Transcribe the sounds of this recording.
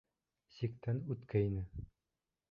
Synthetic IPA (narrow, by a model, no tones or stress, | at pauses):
sik̚t̪ænʉt̪kæinɘ